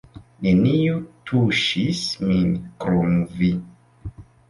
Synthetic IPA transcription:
nenijotʰuʃisminkɾomvi

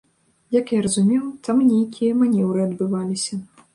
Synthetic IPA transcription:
jɐkjaɾɐzumʲɛwt̪ʰamnʲejkʲijɐmanʲɛwɾɨɐd̪bɨvalʲisʲɐ

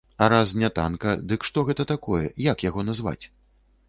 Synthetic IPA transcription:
aɾasnʲat̪a̰nkɐd̪ɨkʂt̪ɔɣɛt̪ɐt̪akɔjɛ̰jakjaɣɔnazva̰t͡sʲ

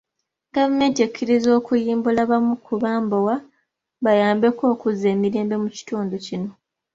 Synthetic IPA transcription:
ɡavume̞ːntiekʰːiɾizo̞ːkujiːmbulaβamukʰuβaːmbowa | βajaːmbe̞ko̞ːkuze̞ːmiɾe̞ːmbe̞muci̥tuːnducino̞

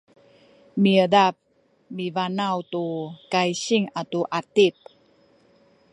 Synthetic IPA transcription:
miədap̚ | mivanawtukajɕiŋatuʔatip̚

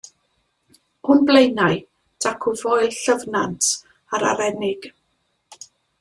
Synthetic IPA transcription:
hʊnblˠejnaɨ | d̥akʰʊvɔɨɬəvnantʰ | aɾa̰ɾɛnɪɡ̥

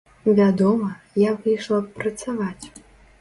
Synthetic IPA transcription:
vʲad̪ɔmɐ | javɨjʂlˠɐpɾɐt̪savat͡sʲ

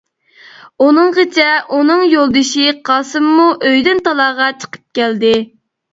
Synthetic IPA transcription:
unɨŋʁət͡ʃʰɛʔunɨŋjolˠd̪ɨʃiqʰɑsɨmːuʔøjd̪ɪnt̪ɑlˠɑːʁɑt͡ʃʰə̥qʰə̥p̚kʲæld̪ɪ

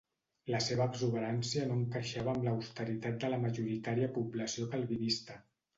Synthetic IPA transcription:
ləseβəːbzuβ̞əɾansiənoŋkəʃaβəːmləwst̪əɾit̪at̪̚d̪ələməʒuɾit̪aɾiəpubləsiopəlˠβiðist̪ə

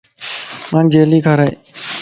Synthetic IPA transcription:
mãːnd͡ʒeːliːkʰaɾaḛː

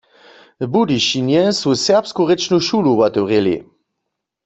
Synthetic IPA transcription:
budiʃinjɛsusɛɐpskoʁet͡ʃnuʃuluwatoʁelḛ

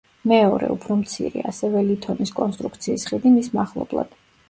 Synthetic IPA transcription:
mɛɔɾɛ̰upʰɾɔmt̪sʰḭɾḭasɛvɛlit̪ʰɔniskʼɔnst̪ʼɾukʰt̪sʰiːsχid̪imismaχlˠɔ̰blˠa̰d̪̥

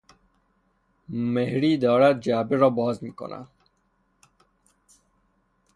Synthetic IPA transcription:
mehɾiːd̪ɔːɾat̪̚d͡ʒaːbiɾɔːbɔːzmiːko̰nʔa̰

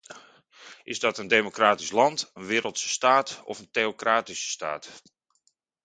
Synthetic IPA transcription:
ʔɪzdɔtəndemokraːtislɑntənʋɪːɾəlˠtsə̥staːtɔ̰fənteokraːtisə̥sta̰ːt

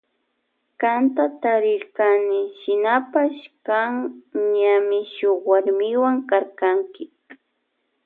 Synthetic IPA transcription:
kant̪at̪aɾɪɾkanɪʃɪnapaʃkaŋɲamɪʃoχwaɾmɪwaŋkaɾkaŋkɪ

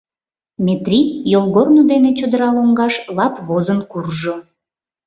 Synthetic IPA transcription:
mʲet̪rʲijolɣornod̪enet͡ɕod̪əɾɑloŋɡɑʃlɑpβozənkurʒo

